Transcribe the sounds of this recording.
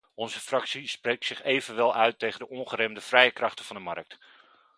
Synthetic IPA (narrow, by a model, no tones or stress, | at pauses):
ɔnzəfrɑksisprejk̚tsɪχejvənʋɛlˠœɥtejχəndəʔɔnχəɾɛmdəfrɛjəkrɑχtənvɑndəmɑrk̚t